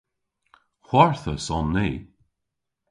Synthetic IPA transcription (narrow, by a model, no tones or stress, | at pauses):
hwɔɹθəsɔnːeː